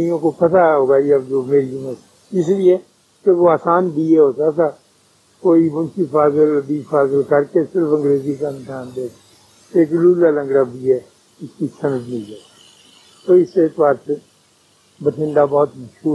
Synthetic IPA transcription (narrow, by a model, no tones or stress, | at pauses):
ijõkopət̪aɦoːɡaːiəbd͡ʒoːmeːɾiʊmət̪ | ɪs̬lie | keʋoaːsaːnbiːɛɦoːsat̪ʰaː | koːibʊnt͡ʃipʰaːzəlbiːpʰaːzəlkəɾkesɪɾəpə̃ŋɡɾeːzikaɪnsaːnd̪eːk | eːkluːlaːlə̃ŋɡɽabiːɛː | ɪskisənəd͡ʒnəĩd͡ʒaː | t̪oːɪseːt̪ʋaːɾse | bəʈʰɪ̃ɳɖabɔːt̪məʃuː